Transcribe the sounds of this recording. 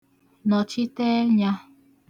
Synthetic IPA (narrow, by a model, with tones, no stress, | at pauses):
nɔ̃˨t͡ʃi˦t̪e˦ɲã˦